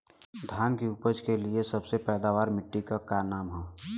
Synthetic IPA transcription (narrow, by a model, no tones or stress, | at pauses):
d̪ʱjaːnkiʊpəd͡ʒkeliesəbsepɛːd̪aːʋaːɾmɪʈːikakanaːmɦɛ